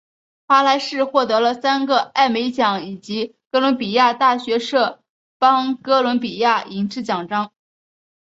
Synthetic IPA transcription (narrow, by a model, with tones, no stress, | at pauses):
xwa˥la˧˥ɪʂɻ̩˥˧xwɔ˥˩t̪ɤ˧˥lə˧sa˥nɡə˨a˥˩ɪme˧˥ɪt͡ɕjɑ˨˧˥ŋi˨˩t͡ɕi˧˥kɤ˥lwʊ˧˥npi˨˩ja˥˧t̪a˥˩ɕɥɛ˧˥ʂɤ˥˩ | pɑ˥ŋkɤ˥lwə˧˥np̬i˨˩ja˥˩i˧˥ŋʈ͡ʂɻ̩˥˩t͡ɕjɑ˨˩ŋʈ͡ʂɑ˥ŋ